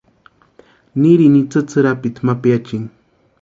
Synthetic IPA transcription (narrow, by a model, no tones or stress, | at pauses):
niɾinit͡sɨt͡sɨɾapɪt̪mapjat͡ʃɪŋ